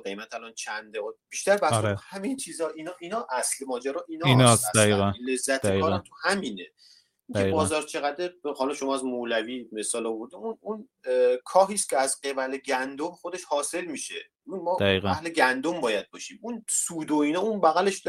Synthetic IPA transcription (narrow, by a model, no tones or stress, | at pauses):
ɡe̞jmæt̪ʰælɒːnt͡ʃʰænd̪eb̥iʃt̪æɾbæshæmint͡ʃʰiːzɒʔiːnɒːʔiːnɒːʔæslemɒːd͡ʒæɾɒːʔiːnɒinɒsædæiɣænle̞zːæt̪ʰd̪ekːɔːɾant̪ʰuhæmiːne̞ | iŋæebɒːzɒːɾt͡ʃʰe̞ɣæd̪ehɒːlɒʃomɒːæzmolæviːme̞sɒːlɔvoɾd̪iunun | kʰɒːɦiːst̪cʰeæzɢebæleɟænd̪omχo̞d̪e̞ʃhɒːse̞lmiːʃḛ | mɒːdæiɣææhleɡænd̪ombɒːjæd̪̚bɒːʃiːmunsuːd̪oiːnɒːunbæɣæle̞ʃd̪